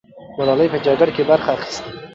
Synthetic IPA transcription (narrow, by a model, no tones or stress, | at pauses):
maɾɑlajpəd͡ʒaɡaɽkebaɾxaːxi̥st̪i